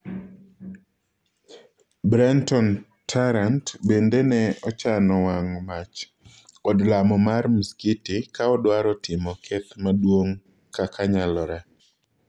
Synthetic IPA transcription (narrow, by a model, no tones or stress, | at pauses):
bɾantɔn | tʰaɾantbendenɛɔt͡ʃanɔwaŋmat͡ʃ | ɔdlamɔmarmiskitikaɔdwaɾɔtɪmɔkʰɛt̪madwoŋ | kakʰaɲalɔɾɛ